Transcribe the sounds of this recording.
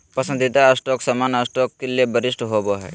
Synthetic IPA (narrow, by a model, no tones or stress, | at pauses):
pɐsə̃nd̪ʱit̪aəsʈɔksɐmaːnəsʈɔkːelijebəɾɪsʈɦoboɦɛ̰ː